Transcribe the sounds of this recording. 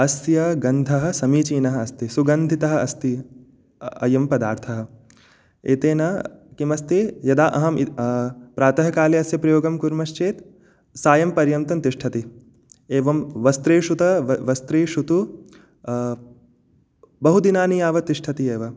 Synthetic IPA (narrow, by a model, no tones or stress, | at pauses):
ɐsjɐɡɐnd̪ʱɐɦɐ̆sɐmiːt͡ʃiːnɐɦɐɐst̪isuɡɐnd̪ʱit̪ɐɦɐ̆ɐst̪i | ɐ̰jɐmpɐd̪aːɾt̪ʰɐɦɐ̆ | eːt̪eːnɐkimɐst̪ejɐd̪aːʔɐɦɐm | pɾaːt̪ɐɦɐkaːliɐsjɐpɾɐjoːɡɐmkuɾmɐʃt͡ʃeːt̪ | saːjɐmpɐɾjɐmt̪ɐnt̪iʂʈʰɐt̪i | eːʋɐmʋɐst̪ɾeːʃut̪ɐʋɐst̪ɾeːʃut̪u | bɐɦud̪inaːnijaːʋɐt̪iʂʈʰɐt̪ieːʋɐ